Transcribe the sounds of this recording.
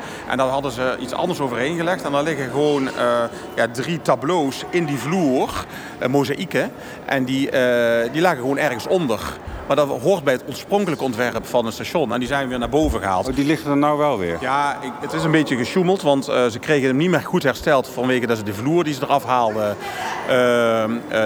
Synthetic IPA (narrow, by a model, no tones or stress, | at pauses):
ʔɛ̰ndɑtɦɑdəzəitsɑ̰ndəɹs̬owvərɦejnɣəlɛxtɛndɑɹlɪɣəɣəʋownə | jaːdritablowsɪndivluːr | mowzaʔikə | ʔɛndidilaːɣəɣəʋownɛrɣənsɔndərmaːɹdɑtɦʊːɹt̚bɛjɦətɔɹsprɔŋkələkəɔntʋɛrpfɑnɦətstaːʃɔnɛ̰ndizɛjnʋɪːɹnaːɹbowvəɣəɦa̰ːlˠtdilɪxdənawʋɛlˠʋɪ̰ːɹjaːɪətɪs̬ənmbejtjəɣəʃuməlˠtʋɑntzəkrejɣənəmnitmɪːrɣutɦɛrstɛlˠtfɑnʋejɣədɑtzədəvluːrdizədərɑfɦaːlˠdəə